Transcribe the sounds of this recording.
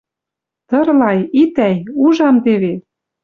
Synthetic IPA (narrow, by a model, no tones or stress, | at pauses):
t̪ɤ̆rlɑjit̪æjuʒɑmt̪eβe